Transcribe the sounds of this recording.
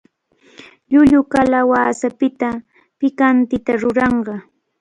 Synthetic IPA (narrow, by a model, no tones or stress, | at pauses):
ʎʊʎʊkalawaːsapɪt̪a | pɪkant̪ɪt̪aɾʊɾɑɴɢɑ